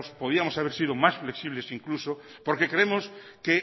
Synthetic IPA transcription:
spoð̞iamosaβeɾsið̞omasfleksiβlesiŋkluso | poɾkekɾemoske

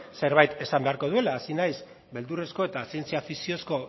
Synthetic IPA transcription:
se̞ɾβajt̪e̞sambe̞aɾko̞ð̞ue̞laːsinajs | be̞ld̪ure̞sko̞e̞t̪asie̞nt͡siafisio̞sko̞

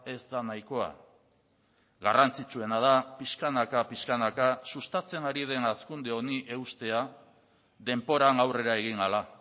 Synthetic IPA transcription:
e̞zd̪anajko̞a̰ | ɣarant͡sit͡sue̞nað̞apiʃkanakapiʃkanakasust̪at͡se̞naɾið̞e̞naskund̪e̞o̞niʔe̞ust̪e̞a | ðe̞mpo̞ɾanawre̞ɾae̞ɣ̞iŋɡala

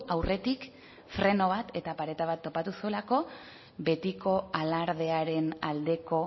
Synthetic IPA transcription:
awrʔe̞t̪ik | fɾe̞no̞β̞at̪ʰe̞t̪apaɾe̞t̪aβat̪ːo̞pat̪usue̞lako̞ | βe̞t̪iko̞alaɾð̞e̞aɾe̞nald̪e̞ko̞

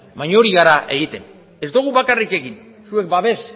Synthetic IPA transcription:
maɲo̞ɾiɣaɾaʔe̞ɣ̞it̪e̞n | e̞zd̪uɣ̞uβakarike̞ɣin | sue̞k̚baβe̞s

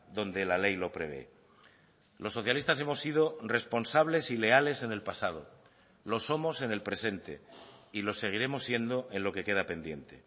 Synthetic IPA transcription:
d̪o̞nd̪e̞lale̞jlo̞pɾe̞β̞e̞̰ | lo̞sːo̞θjalist̪as̬e̞mo̞sːið̞ore̞spo̞nsaβ̞le̞sile̞ale̞se̞ne̞lpasað̞o̞ | lo̞so̞mo̞se̞ne̞lpɾe̞se̞nt̪e̞̰ilo̞se̞ɣ̞iɾe̞mo̞sːje̞nd̪o̞ʔe̞nlo̞ke̞ke̞ð̞ape̞nd̪je̞̰nt̪e̞

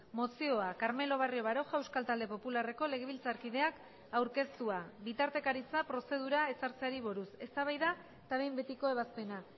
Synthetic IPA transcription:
mo̞sio̞akaɾme̞lo̞β̞arioβaɾo̞ʝaewskalt̪ald̪e̞po̞pulare̞ko̞le̞ɣ̞e̞βilt͡saɾkið̞e̞ak | awɾke̞st̪uabit̪aɾt̪e̞kaɾit͡sapɾo̞se̞ð̞uɾae̞saɾt͡seaɾiβ̞oɾuse̞st̪aβ̞ajða | t̪aβe̞jmbe̞t̪iko̞e̞βaspe̞na

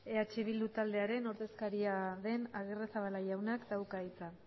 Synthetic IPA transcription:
e̞at͡ʃeβ̞ild̪ut̪ald̪e̞aɾe̞no̞ɾðe̞skaɾiaðe̞naɣ̞eresaβalaʝawnakd̪awkait͡sa

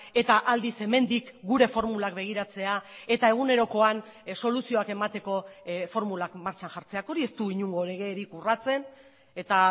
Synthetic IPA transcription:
e̞t̪aʔald̪ise̞me̞nd̪ikɡuɾe̞fo̞ɾmulakbe̞ɣ̞iɾat͡se̞ae̞t̪ae̞ɣ̞une̞ɾo̞ko̞anso̞lusio̞ake̞mat̪e̞ko̞fo̞ɾmulakmaɾt͡ʃanʝaɾt͡se̞ako̞ɾie̞st̪uiɲuŋɡo̞le̞ɣe̞ːɾikurat͡se̞n | e̞t̪a

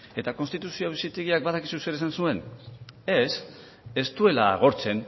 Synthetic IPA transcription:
e̞t̪ako̞nst̪it̪usioβisit̪eɣiak̚baðakisuse̞ɾesansue̞ne̞s | e̞st̪ue̞la̰ːɣ̞o̞ɾt͡se̞n

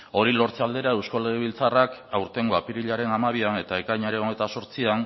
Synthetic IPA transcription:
o̞ɾilo̞ɾt͡seald̪e̞ɾae̞wsko̞leɣ̞eβ̞ilt͡sarakawɾt̪e̞ŋɡo̞apiɾiʎaɾe̞namaβ̞iane̞t̪aekajɲaɾe̞nonet̪aso̞ɾt͡sian

